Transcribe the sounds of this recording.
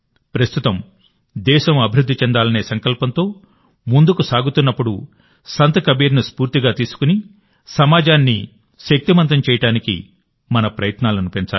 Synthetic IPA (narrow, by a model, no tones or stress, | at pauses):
pɾɐst̪ut̪ɐm | d̪ɛːʃɐmɐbʱiɾud̪ʱːit͡ʃɛnd̪aːlɐne̞ːsɐŋkɐlpɐnt̪o̞ː | mund̪ukusaːɡut̪unːɐpːuɽu | sɐnt̪ɐkɐbiːɾnuspuːɾt̪iɡaːt̪iːsu̥kuni | sɐmaːd͡ʒaːnːḭ | ʃɐk̚t̪imɐnt̪ɐmt͡ʃɛːjɐʈaːnikḭ | mɐnɐpɾɐjɐt̪naːlɐnupent͡ʃaː